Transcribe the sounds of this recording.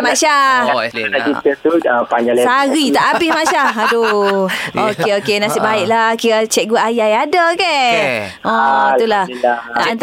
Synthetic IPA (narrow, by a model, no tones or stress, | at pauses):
mãʃa | akit̪ət̪uəpaɲd͡ʒalɛsaɣit̪aʔabɪhmaʃaadu | okeokenasiʔbaiʔlahkiɾat͡ʃɛʔ̚ɡuaʔajajadaoke | ʔɔ̃it̪ulahaaʔnt̪